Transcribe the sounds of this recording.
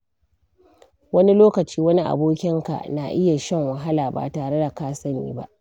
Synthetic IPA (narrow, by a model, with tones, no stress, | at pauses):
wɐ˦ni˦loː˦kɐ˨t͡ʃiː˦wɐ˦ni˦ʔa̰˨boː˦kʲɪ˦ŋka̰˨ʔna˨ʔɪ˦ja˨ʃɛ˦˨ŋwɐ˨ɦa˦laː˨ba̰ː˨taː˨ɽe˦da˨kaː˦sɐ˦nḭː˦ba̰˦ʔ